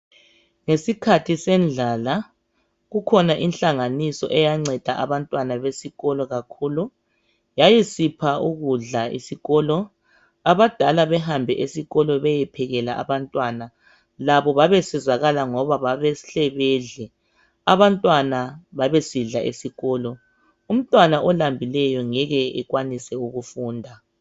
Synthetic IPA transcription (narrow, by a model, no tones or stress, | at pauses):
ŋesikʰatʰisɛnd͡ɮʱaːla | ɣukʰɔnaʔinɬaŋanisɔ̰ʔɛjaŋ͡ǀʱɛd̥ʱaʔa̰βantʼwanaβesiɣɔlɔɣakʰuːlu | jajisipʰauɣuɮaḭsiɣɔːlɔ | aβad̥ʱalaβɛɦambʱɛ̰ʔesiɣɔlɔβɛjɛpʰɛɣɛlaʔa̰βantʼwana | laβɔβaβɛsɛzaɣalaŋɔβaβaβɛɬɛβɛɮɛ | aβantʼwanaβaβesiɮaʔḛsiɣɔːlɔ | um̩tʼwanaʔɔlambʱilɛjɔŋɛɣɛɛɣwanisɛuɣufuːndʱa